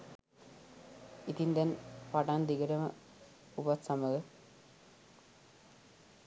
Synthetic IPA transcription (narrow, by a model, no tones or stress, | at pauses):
it̪int̪ɛnpaʈand̪iɡɐɾɐmɐ | upɐt̪sɐmɐɡə